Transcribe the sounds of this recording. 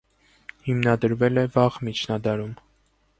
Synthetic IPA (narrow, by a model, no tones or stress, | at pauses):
himnɑd̪əɾvɛlɛvɑʁmit͡ʃʰnɑd̪ɑɾum